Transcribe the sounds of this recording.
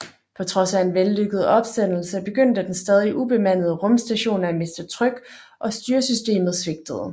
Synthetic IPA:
pʰɒ̽t͡sʰʁɒ̽sæe̝nʋelːøɡ̥əð̞̩ˠəɒ̽b̥sd̥en̰l̩səb̥e̝ɡ̥øn̰d̥əd̥ensd̥ɛːð̞ˠiʔub̥e̝mæn̰ð̩ˠəʁɔ̽msd̥æɕo̝̰ːnæme̝sd̥ət͡sʰʁœɡ̥ | ʔɒ̽sd̥yːɐsysd̥e̝̰ːmð̞̩ˠsʋe̝ɡ̥̚d̥əð̞̩ˠ

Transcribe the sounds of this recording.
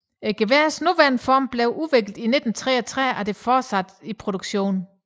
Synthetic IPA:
eɡ̥e̝ʋesnuʋæɐnəfɒ̰ːmb̥leʊʔuʋe̝ɡ̥ld̥ine̝d̥n̩t͡sʰʁɛːɐt͡sʰʁɛ̰æd̥e̝fɒːsæd̥ipʰʁo̝ɾ̥uɡ̥ɕo̝̰ːn

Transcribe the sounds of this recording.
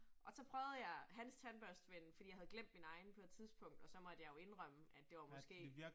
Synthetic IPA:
ʔɒ̽sɒ̽pʰʁœːʊðˠjɑ̈ɪɦænst͡sʰænb̥ɶɐsd̥ʋenfd̥ḭːɑhæð̩ˠɡlem̰d̥̚minɑ̈ɪnpʰɒ̽ed̥t͡sʰiðˠsb̥ʰɔ̽ŋ̰d̥ɒ̽sɒ̽mɒ̽d̥əjɑ̈ɪjo̝e̝nʁœm̰əæd̥e̝ʋɑ̈mɒsɡ̥e̝̰ː

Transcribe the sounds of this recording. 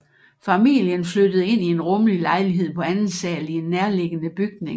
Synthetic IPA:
fæmḭljənflødəð̞̩ˠe̝n̰ie̝nʁɔ̽məlilɑ̈ɪliɦe̝ð̰ˠpʰɒ̽ænn̩sɛːlie̝nːæɐle̝ɡ̥ənəb̥yɡ̥̚ne̝ŋ

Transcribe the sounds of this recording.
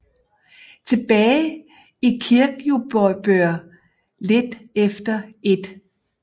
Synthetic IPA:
t͡sʰe̝b̥ɛːɪ | ikʰiɐɡ̥jub̥ɒb̥øɐ̰ | le̝d̥efd̥ɐe̝d̥

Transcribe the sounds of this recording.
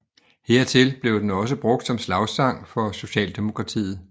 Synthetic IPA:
heɐ̰t͡sʰe̝lb̥le̝ʊd̥enɒ̽s̬əb̥ʁɔ̽ɡ̥̚d̥sɒ̽mslɑ̈ʊsɑ̈ŋ̰fɒ̽so̝ɕɛ̰ːld̥e̝mo̝kʰʁɑ̈t͡sʰḭːð̩ˠ

